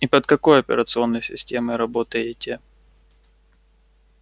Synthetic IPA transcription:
ipət̪kɐko̞jɐpʲɪ̰ɾət̪sɨo̞nːəjsʲɪ̰sʲtʲemɨɾɐbo̞t̪əjɪtʲɪ

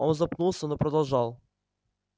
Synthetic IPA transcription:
onzɐpnulˠsʲənopɾəd̪ɐlˠʐɑlˠ

